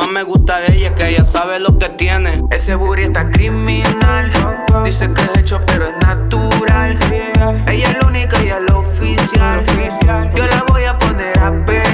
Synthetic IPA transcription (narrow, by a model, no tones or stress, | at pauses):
omeɣust̪aðeeʝakeeʝasaβelo̞ket̪jeneeseβuβɾiest̪akɾimĩnald̪isekeeset͡ʃopeɾoesnat̪uɾal | eʝaelunikaejelofisjalisjalolaβojaponeɾape